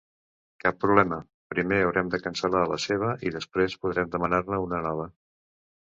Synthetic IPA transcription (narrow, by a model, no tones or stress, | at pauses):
kapːɾuβlɛmə | pɾimeəwɾɛmd̪əkənsəlaələseβ̞əʔiðəspɾespuðɾɛmd̪əmənarnəunənɔβ̞ə